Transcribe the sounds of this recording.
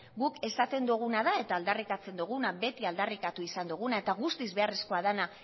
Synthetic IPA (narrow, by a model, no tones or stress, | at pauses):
ɣuke̞sat̪e̞nd̪uɣ̞unaðae̞t̪aːld̪arikat͡se̞nd̪uɣ̞unaβe̞t̪iald̪arikat̪uisand̪uɣ̞unae̞t̪aɣust̪izβe̞are̞sko̞að̞ana